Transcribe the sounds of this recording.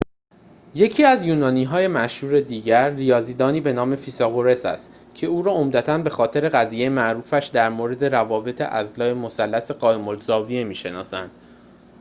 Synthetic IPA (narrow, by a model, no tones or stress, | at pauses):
je̞cʰiːæzjuːnɒːniːɦɒːje̞mæʃhuːɾe̞d̪iːɟæɾːijɒːziːd̪ɒːniːbe̞nɒːme̞fisɒɣoɾe̞sæ̰st̪ | cʰe̞uːɾɒːomd̪æt̪ʰænbe̞xɒːt̪ʰe̞ɾe̞ɣæziːjejmæʔɾuːfæʃd̪æɾmoːɾe̞d̪e̞ɾævɒːbe̞t̪ʰḛʔæzlɒːemo̞sælːæse̞ɢɒːjemolzɒːvie̞miːʃe̞nɒ̰ːsænd̪̥